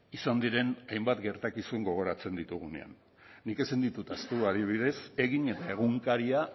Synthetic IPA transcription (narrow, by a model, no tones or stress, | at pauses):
isand̪iɾe̞najmbat̪ɡe̞ɾt̪akisuŋɡo̞ɣ̞o̞ɾat͡se̞nd̪it̪uɣ̞une̞̰a̰nː | ike̞sind̪it̪ut̪ast̪uaðiβ̞ið̞e̞se̞ɣiɲe̞t̪ae̞ɣ̞uŋkaɾia